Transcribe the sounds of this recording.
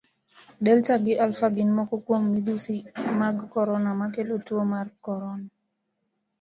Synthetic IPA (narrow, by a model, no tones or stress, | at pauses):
dɛlt͡ʃaɡɪʔalfaɡinmɔkɔkwomːid̪usimaɡkɔɾɔnamakelotwomarkɔɾɔna